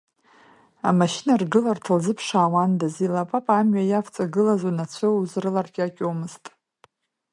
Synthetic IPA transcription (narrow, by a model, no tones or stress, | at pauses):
amaʃɪnarɡɨlartʰalzɨpʰʂaːwandazilapʼapʼamɥajaft͡sʼaɡɨlazunat͡ɕʷʰɨuzrɨlarɡʲakʲʼomɨztʼ